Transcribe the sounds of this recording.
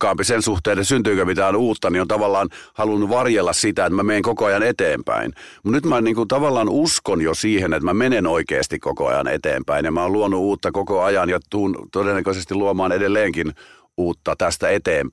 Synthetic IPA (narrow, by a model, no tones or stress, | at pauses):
kːɑːmpisensuht̪eˑːnet̪synt̪yːkømit̪æːnuːt̪ːɑniont̪ɑʋɑlːɑːnhɑlunːuʋɑrjelːɑssit̪æet̪mæmeiŋkokoɑjɑnet̪eːmpæ̰inmut̪nyt̪mæniːŋkunt̪ɑʋɑlːɑːnuskonjosiːhenet̪mæmenenoikḛːst̪ikkoko̰ɑ̰jɑ̰nḛt̪ḛːmpæinjɑmæoːluonːuuːt̪ːɑkokoɑjɑnjɑt̪uːnt̪odenːækøsest̪iluomɑːnedelːeːŋkin | uːt̪ːɑt̪æst̪æet̪eːmp